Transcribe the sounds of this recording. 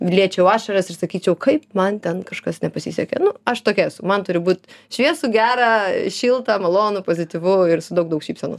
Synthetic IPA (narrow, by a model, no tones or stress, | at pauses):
lʲiɛt͡ʃʲɛʊɑːʃɐɾɐsɪrsɐkʲiːt͡ʃʲɛʊkʰɐɪpmɐnt̪ʲɛnkɐʃkɐsnʲɛpɐsʲiːsʲɛkʲɛ̰nʊɐʃt̪oːkʲɛɛsʊmɐnt̪ʊɾʲɪbuːt̪ʃʲʋʲiɛsuːɡʲæːɾɑːʃʲiːlˠt̪ɐːmɐlˠoːnʊpoːzʲɪt̪ʲiʋʊɪɾsʊd̪ɐʊkd̪ɐʊkʃʲiːpʲsʲɛnʊ̰